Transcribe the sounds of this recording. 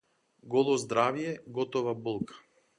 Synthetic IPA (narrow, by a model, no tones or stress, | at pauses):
ɡɔlˠɔzd̪ɾavjɛɡɔt̪ɔvabulˠkʰḁ